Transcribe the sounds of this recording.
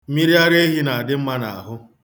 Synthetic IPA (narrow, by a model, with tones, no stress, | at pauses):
mi˦ɾi˦a˦ɾe˦ɦi˦na˨a˨dɪ˦m̩˦ma˦na̰˨a̰˨ɦʊ˦